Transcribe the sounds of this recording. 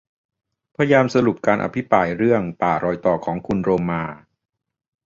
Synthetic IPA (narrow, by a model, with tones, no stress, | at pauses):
pʰaː˧jaː˧msa˧ɾu˨˩p̚kaː˧nʔa̰˧pʰi˦˥pɾaː˧jɾɯ˥˩əŋpaː˨˩ɾɔː˧jt̪ɔː˨˩kʰɔː˩˦ŋkʰu˧nɾoː˧maː˧